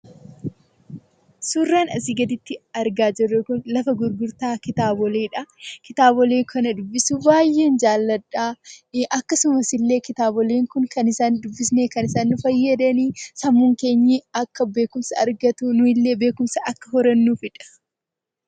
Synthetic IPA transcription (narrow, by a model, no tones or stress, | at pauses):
suːrːaːnɐsiɡɐd̪ɪt̪ːɪɐɾɡaːd͡ʒɛrːɛkʊnlɐfɐɡʊɾɡʊɾt̪aːkɪt̪aːbɔleːᶑɐkɪt̪aːbɔleːkʰɐnɐd̪ʊbːɪsubaːjːe̞ːnd͡ʒaːlːɐᶑaːʔɐkːɐsʊmɐsɪlːe̞ːkɪt̪aːbɔleːŋkʊŋkɐnɪsaːnd̪ʊbːɪsne̞ːkɐnɪsaːnːʊfɐjːɐd̪ɐniːsɐmːuːŋke̞ːɲːiɐkːɐbe̞ːkʊmsɐɐɾɡɐt̪unʊɪlːe̞ːbe̞ːkʊmsɐɐkːɐhɔɾɐnːuːfɪᶑɐ̥